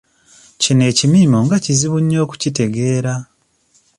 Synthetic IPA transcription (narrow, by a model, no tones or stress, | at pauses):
cine̞ːcimiːmo̞ŋɡaciziβuɲːo̞ːku̥cite̞ɡe̞ːɾa